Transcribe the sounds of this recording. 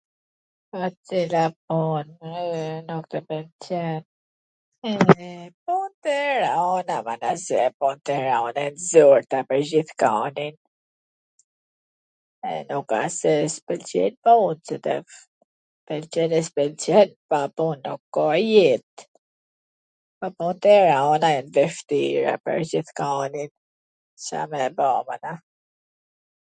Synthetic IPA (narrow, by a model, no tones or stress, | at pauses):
pat͡silapɔn | nukt̪əpɛlt͡ɕɛn | ɛpunt̪ɛɾɔnavanasɛpunt̪ɛɾaɔnɛnzɔɾt̪apəɾzd͡ʑiθkanin | ɛ̰nukasɛspɛlt͡ʃɛ̰nmunsɛt̪ɛ̰ | pɛlt͡ɕɛnɛspɛlt͡ʃɛnpapunːukːɔjɛt̪̚ | papunt̪ɛɾaɔnaɛnvɛʃt̪iɾa̰pə̰ɾd͡ʑiθkanin | sa̰mɛbɔmana